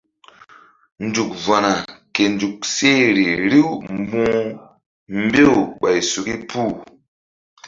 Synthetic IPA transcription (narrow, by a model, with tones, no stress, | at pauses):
nd͡ʒu˨k̚va˨na˨ke˨nd͡ʒu˨k̚se˦ɾi˨ɾi˦wm˦bũ˦ | m̩˦be˦wɓa˨jsu˨ki˦pu˦